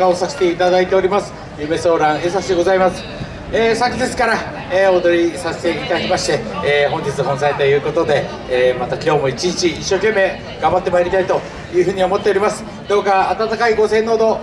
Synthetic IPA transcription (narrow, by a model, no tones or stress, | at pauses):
aosaɕe̥t̪e̞it̪ad̪ait̪e̞o̞ɾʲimasɨ̥ | jɯːme̞so̞ːɾãɰ̃eːs̬aksɕid̪e̞ɡo̞zaimasɨ̥ | eːsakʲid̪e̞t͡sɨ̥kaɾa | eːo̞d̪o̞ɾʲisase̥e̞it̪ad̪akʲimaɕi̥t̪e̞ːɦõ̞ɲ̟d͡ʑit͡sɨɦõnsait̪ojɯ̟ːko̞t̪o̞d̪e̞ː | mat̪akʲo̞ːmo̞it͡ɕiɲit͡ɕiːɕːo̞ːkẽ̞mːe̞ː | ɡ̥ãmbat̪ːe̞maeɾʲit̪ait̪o̞ | jɯ̟ːɸɯ̟ːɲ̟io̞mo̞t̪ːe̞oɾʲimasɨ̥ | d̪o̞ːkaːt̪at̪akaiɡo̞sẽ̞nːo̞ːd̪o̞